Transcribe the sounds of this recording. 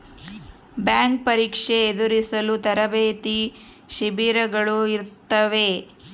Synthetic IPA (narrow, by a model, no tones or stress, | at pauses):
bjaːŋk̚pɐɾiːkʂe̞ːd̪uɾisɐlut̪ɐɾɐbeːt̪i | ʃibiːɾɐɡɐɭuiɾt̪ːɐʋe̞